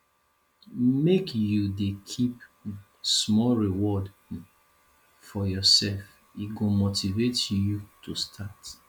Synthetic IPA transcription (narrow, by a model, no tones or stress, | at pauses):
mekjudekʰip | smɔlɹiwɔd | fɔjɔsɛlf | iɡomotʰivetjutʰustʰat